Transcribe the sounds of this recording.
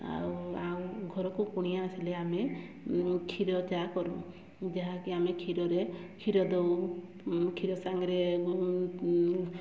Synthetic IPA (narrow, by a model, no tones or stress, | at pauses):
a̰uawɡʱɔɾɔkukuɽ̃ijaːsileame | kʰiɾɔt͡ʃakɔɾũ | d͡ʒeɦakiamekʰiɾɔɾekʰiɾɔd̪ew | kʰiɾɔsaŋɡɾe